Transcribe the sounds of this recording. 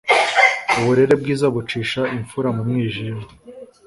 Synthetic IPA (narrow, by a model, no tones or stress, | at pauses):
uβuɾe̞ɾe̞b̚ɡiːzaβut͡ʃiːʃaʔiɱfuɾamumŋiːʒiɾ